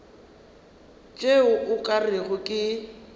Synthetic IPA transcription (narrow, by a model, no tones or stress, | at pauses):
t͡ʃʼeʊʔʊkʼarɪɣʊkʼɪ